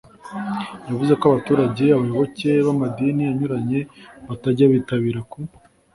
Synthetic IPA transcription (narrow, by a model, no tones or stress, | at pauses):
javuzekoaβatuːɾaɟe̞aβajo̞βo̞ce̞βamadinijaɲuɾaɲe̞βataɟaβitaβiːɾaku